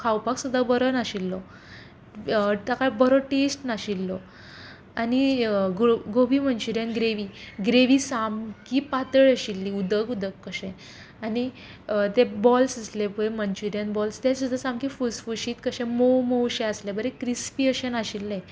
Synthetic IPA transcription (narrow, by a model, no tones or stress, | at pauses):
kʰawpaksud̪ʱəbəɾənaɕilːɔ | t̪akabəɾɔʈesʈnaɕilːɔ | aniɡoɡobiːmənt͡ɕuɾjanɡɾeʋiːɡɾeʋiːsamkiːpat̪əɭəɕilːiːud̪əɡud̪əkːəɕẽ | ani | t̪ebɔlsəslepuemənt͡ɕuɾjanbɔlst̪ẽsud̪ʱasamkifusfuɕiːt̪kəɕɛ̃mowmowɕẽəslebəɾekɾispiəɕənaɕilːẽ